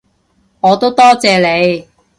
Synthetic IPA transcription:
ŋɔː˨˧t̪o˥wt̪ɔː˥t͡sɛː˨˧le˨˧j

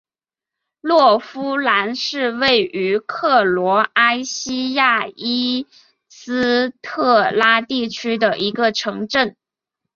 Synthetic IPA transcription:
lwɔ˥˩fu˥la˧˥nʂɻ̩˥˧we˥˩ɪʔy˧˥kʰɤ˥˩lwɔ˧˥a˥ɪɕi˥ja˥˩i˥ | sɹ̩˥t̪ʰɤ˥˩la˥t̪i˥˩t͡ɕʰy˥d̪ə˨ʔi˧˥ɡə˧ʈ͡ʂʰɤ˧˥ŋʈ͡ʂə˥˩n

